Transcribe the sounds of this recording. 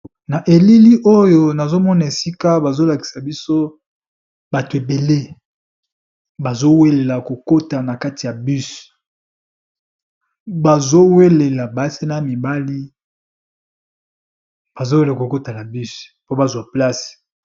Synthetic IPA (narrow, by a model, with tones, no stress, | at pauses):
na˨ʔe˨li˦li˦ʔo˦jo˨na˨zo˦mɔ˦na˨e˨si˦ka˦ba˨zo˦la˨ki̥˨sa˨bi˦so˦ | ba˨to˨e˨be˨le˦ | ba˨zo˦we˦le˨la˨ko˨ko˦ta˨na˨ka˦ti˨ja˨by˦s | ba˨zo˦we˦le˨la˨ba˨˦se˦na˦mi˨ba˦li˦ | b̥a˨zo˦we˦la˨ko˨ko˦ta˨na˨bi˦spo˦ba˨zwa˨pla˦si̥˨